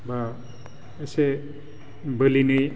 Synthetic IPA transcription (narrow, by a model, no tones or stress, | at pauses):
ba | ese | bɯlinɯj